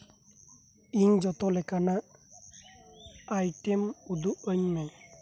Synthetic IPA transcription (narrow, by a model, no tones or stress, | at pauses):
iɲd͡ʒɔt̪ɔlɛkanaʔ | ajʈemud̪uʔəɲmɛ